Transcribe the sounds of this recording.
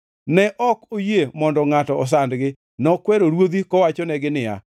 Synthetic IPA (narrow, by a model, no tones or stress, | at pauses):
nɛʔɔkojemɔndɔŋatɔːs̬andɡɪ | nɔkwɛɾoɾwod̪ikɔwat͡ʃɔnɛɡɪnɪja̰